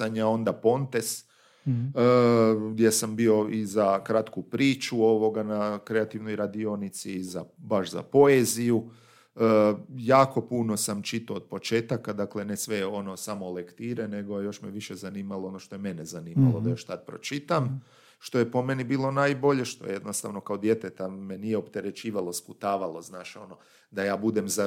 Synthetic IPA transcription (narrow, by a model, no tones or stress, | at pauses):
aɲao̞nd̪apo̞nt̪e̞s | ɡd̪je̞sambio̞izakɾat̪kupɾiːt͡ʃuo̞ʋo̞ɡanakɾe̞at̪iʋno̞jɾad̪io̞nit̪siːzabaʃza̰po̞eziju | jaːko̞puno̞samt͡ʃit̪oːd̪̥̚po̞t͡ʃeːt̪akad̪akle̞ne̞sʋeo̞nosamolekt̪iːɾene̞ɡojo̞ʃmeʋiʃe̞zaniːmalˠo̞o̞no̞ʃt̪o̞je̞me̞nezaniːma̰lˠodd̪ajo̞ʃt̪ad̪̚pɾo̞̰t͡ʃit̪am | ʃt̪o̞jepo̞me̞nibiːlˠo̞naːjbo̞ʎe̞ʃt̪o̞̰jejed̪nost̪a̰ːʋno̞kaod̪je̞t̪e̞t̪ame̞nijeopt̪e̞ɾe̞t͡ʃiːʋalo̞sput̪aːʋalˠo̞znaːʃo̞no̞ | d̪ajaːbud̪e̞mza